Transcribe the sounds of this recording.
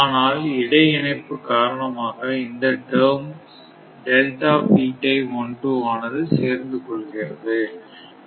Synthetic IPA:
aːnaːlɪɽɐɪɪɳɐɪpːɯkaːɾɐɳɐmaːɣɐɪnd̪ɐʈɐːm | ɖɛlʈaːpiːʈːɐɪɔɳɖrɯaːnɐðɯseːɾnd̪ɯkɔɭːɯɣɪrɐ̰ðɯ

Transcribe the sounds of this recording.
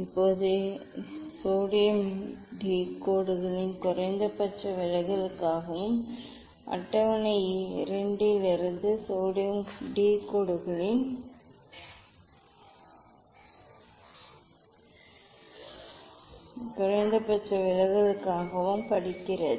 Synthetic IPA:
ɪpːoːðɯ | soːɽɪjɐmɖiːkoːɽɯɣɐɭɪnkʊrɐɪnd̪ɐpɐʈrɐʋɪɻɐɣɐlɯkːaːɣɐʋɯm | ʔɐ̰ʈːɐʋɐnɐɪɪɾɐɳɖɪlɪɾɐnd̪ɯsoːɽɪjɐmɖiːkoːɽɯɣɐɭɪn | kʊrɐɪnd̪ɐpːɐʈt͡ʃrɐʋɪɻɐɣɐɭɯkːaːɣɐʋɯmpɐɽɪkːɪrɐðɯ

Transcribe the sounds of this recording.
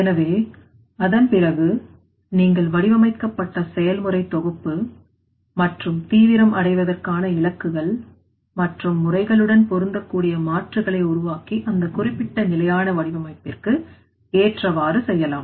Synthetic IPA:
ɛnɐʋeː | ɐðɐnpɪrɐɣɯ | niːŋɡɐɭʋɐɽɪʋɐmɐɪkːɐpːɐʈːɐsɛjɐlmɯrɐɪt̪ːɔɣɯpːɯ | mɐʈrɯmt̪iːʋɪɾɐmʔɐɽɐɪʋɐðɐrkaːnɐɪlɐkːɯɣɐɭ | mɐʈrɯmːʊrɐɪɣɐɭɯɽɐnpɔɾɯnd̪ɐkːuːɽɪjɐmaːʈrɯɣɐɭɐɪʊɾʊʋaːkiʔɐnd̪ɐkʊrɪpːɪʈːɐnɪlɐjaːnɐʋɐɽɪʋɐmɐɪp̪ːɪrkɯ | eːʈrɐʋaːrɯsɛjːɐlaːm

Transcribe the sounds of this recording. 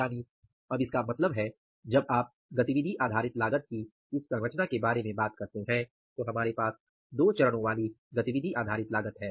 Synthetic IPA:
aːni | ɐbɪskamɐt̪ləbɦɛ | d͡ʒɐbaːp̚ | ɡɐt̪iʋɪd̪ʱiʔaːd̪ʱaːɾɪt̪laːɡət̪̚ki | ɪssɐɾɐt͡ʃnakebaːɾemẽbaːt̪kɐɾt̪eɦɛ̃ | t̪oɦɐmaːɾepaːs | d̪oːt͡ʃɐɾɽ̃õʋaːliɡɐt̪iʋɪd̪ʱiʔaːd̪ʱaːɾɪt̪laːɡət̪ɦɛː

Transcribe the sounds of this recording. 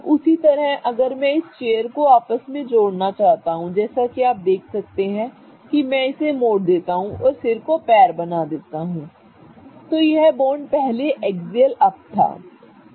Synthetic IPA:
ʊsit̪ɐɾəɦɐɡəɾmɛ̃ɪst͡ʃeːjəɾkoaːpəsmẽd͡ʒoːɽnat͡ʃaːɦt̪aɦũd͡ʒɛːsakiaːp̚d̪eːkʰsɐk̚t̪eɦɛ̃ | kimɛ̃ɪsemoːɽd̪eːt̪aɦũʔɔːɾfɪɾkopɛːɾbɐnad̪eːt̪aɦũː | t̪ojeɦɛboːɳɖpɛɦleʔɛːɡziəlɐp̚t̪ʰa̰ː

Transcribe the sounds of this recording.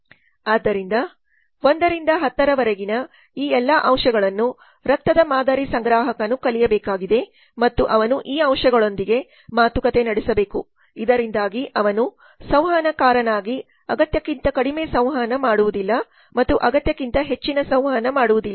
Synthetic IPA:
aːd̪ːɐɾind̪ɐ | o̞nd̪ɐɾind̪ɐɦɐt̪ːɐɾɐʋɐɾeɡinɐ | iːɛlːɐʔɐmʂɐɡɐɭɐnːu | ɾɐk̚t̪ːɐd̪ɐmaːd̪aːɾisɐŋɡɾaːɦɐkɐnukɐlijɐbɛːkaːɡid̪e̞ | mɐt̪ːuʔɐʋɐnuʔiːɐmʂɐɡɐɭo̞nd̪iɡe̞ | maːt̪ukɐt̪e̞nɐɽisɐbe̞ːku | id̪ɐɾind̪aːɡiʔɐʋɐnu | sɐwɦaːnɐkaːɾɐnaːɡi | ɐɡɐt̪jɐkːint̪ɐkɐɽime̞ːsɐ̃wɦaːnɐmaːɽuʋud̪ilːɐ | mɐt̪ːuʔɐɡɐt̪jɐkːint̪ɐɦe̞t͡ʃːinɐsɐ̃w̃ɦaːnɐmaːɽuʋud̪ilːɐ

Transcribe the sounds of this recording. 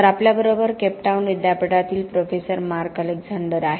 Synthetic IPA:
əɾapljabəɾobəɾkɛpʈawnʋid̪japəʈat̪iːlpɾofesəɾmaɾkəleɡd͡zaɳɖəɾaɦe

